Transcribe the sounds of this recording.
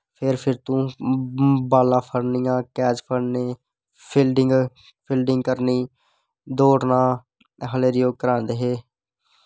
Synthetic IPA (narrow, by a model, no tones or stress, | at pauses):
pʰɪɾpʰɪɾt̪ũː | baːlãːpʰəɾnɪjãːkɛːt͡ʃpʰəɽneː | pʰɪlɖɪŋɡ | pʰɪlɖɪŋɡkəɾniː | d̪oːɽnãː | ɦəleːɾɪjoːɡ̚kəɾãːnd̪eːɦeː